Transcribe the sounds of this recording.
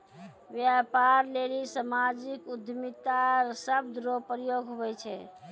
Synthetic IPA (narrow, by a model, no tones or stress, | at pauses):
bjapaɾlelisamad͡ʒikud̪ʱmit̪aɾsəb̚d̪ɾopɾjoɡʱɦobɛt͡ʃʰɛ